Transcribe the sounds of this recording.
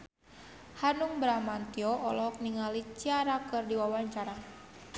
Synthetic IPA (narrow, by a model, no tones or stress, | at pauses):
hanuŋbɾamant̪iɔʔɔlɔɔk̚niŋalit͡ʃiaɾakɨrdiwawaɲt͡ʃaɾa